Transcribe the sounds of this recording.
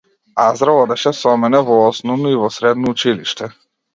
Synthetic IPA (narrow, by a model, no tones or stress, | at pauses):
azɾaɔd̪ɛʃɛsɔmɛnɛvɔɔsnɔvnɔivɔsɾɛd̪nɔut͡ʃiliʃt̪ɛ